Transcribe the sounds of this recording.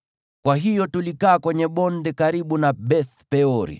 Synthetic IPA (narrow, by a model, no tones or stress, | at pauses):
kwaɦijɔtulikaːkwɛɲɛɓɔndɛkaɾiɓunaɓɛθpɛɔɾḭ